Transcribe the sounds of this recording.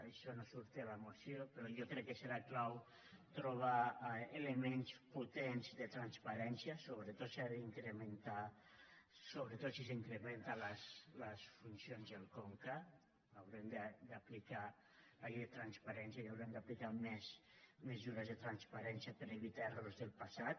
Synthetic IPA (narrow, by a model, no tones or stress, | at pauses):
ajʃɔnosuɾt̪elamosjopeɾɔjokɾɛkːeseɾaklaw | t̪ɾoβ̞aelemensput̪enzd̪et̪ɾanspaɾɛnsjasoβɾet̪ot̪siaðiŋkɾement̪a | soβɾet̪ot̪sis̬iŋkɾement̪alasləsfunsjonzðelˠkoŋka | awɾemd̪ed̪aplika | laeðet̪ɾanspaɾɛnsjaiawɾemd̪aplikamɛzmezuɾazðet̪ɾanspaɾɛnsjapeɾeβit̪aerozðelˠpasat̪̚